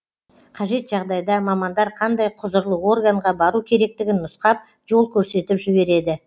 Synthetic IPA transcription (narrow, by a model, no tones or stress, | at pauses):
qʰɑʒe̞t̪ʒɑʁd̪ɑjd̪ɑmɑmɑnd̪ɑɾqʰɑnd̪ɑjqʰʊzəɾlˠəwo̞rɡaɴʁɑbɑɾukʲʰe̞ɾe̞k̚t̪ɪɡʲɪnːʊsqɑp̚ | ʒo̞lˠkʲʰɵɾse̞t̪ɪpʒɪbe̞ɾe̞d̪ɪ